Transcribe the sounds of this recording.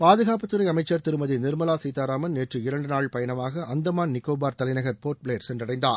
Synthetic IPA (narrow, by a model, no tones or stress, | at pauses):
paːðɯɣaːpɐt̪ːɯɾɐɪɐmɐɪt͡ʃːɐɾt̪ɪɾɯmɐðinɪɾmɐlaːsiːt̪aːɾaːmɐnneːʈrɯɪɾɐɳɖɯnaːɭpɐjɐnɐmaːɣɐʔɐnd̪ɐmaːnnɪkːoːbaːɾt̪ɐlɐɪnɐɣɐɾpoːɾʈ̚pɭeːɾsɛndrɐɽɐɪnd̪aːɾ